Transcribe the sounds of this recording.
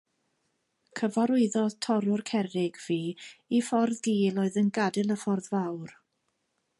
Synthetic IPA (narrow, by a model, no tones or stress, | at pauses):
kʰəvaɾʊɨðɔtʰɔɾʊrkʰɛɾɪɡv̥iːifɔrðɡiːlˠoːɨðənɡadɪlˠəfɔrðvawr